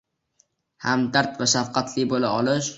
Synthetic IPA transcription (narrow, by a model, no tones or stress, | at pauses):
hamd̪aɾt̪vaʃafqɑt̪ʰlɪbolaɒlɪʃ